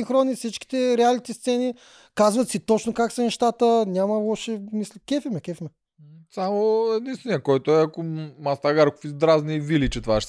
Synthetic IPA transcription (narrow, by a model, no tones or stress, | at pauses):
iŋxɾɔnifsit͡ʃkʲi̥t̪ɛɾɛalnit̪ɛst̪sɛni | kazvɐt̪sit̪ɔt͡ʃnokaksɐnɛʃt̪at̪ənʲamɐlˠɔʃɛmislɛkɛfimɛkʲɛfimɛ | samoɛd̪inst̪vɛnijəkɔjt̪oɛakomast̪aɡaɾko̥fizd̪ɾaznivilit͡ʃɛt̪vaʃ